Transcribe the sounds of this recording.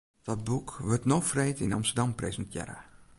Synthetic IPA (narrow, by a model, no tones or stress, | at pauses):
d̥ɔt̚bukʋørtnofreːtinɑmstədamprḛzəntʰjɛ̰ɾə̰